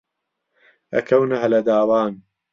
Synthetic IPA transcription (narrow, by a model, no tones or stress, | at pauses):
ɐ̰kʰɐwnɐɦɐlɐd̪aːwaːn